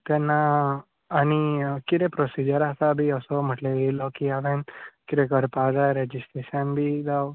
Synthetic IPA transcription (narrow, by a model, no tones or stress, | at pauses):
t̪ɛnːaː | nikiɾepɾɔsid͡ʒəɾasabiɔsɔməʈleelɔkiaʋɛnkiɾekəɾpad̪aɾɛd͡ʒisʈɾeʃənbʱid̪aw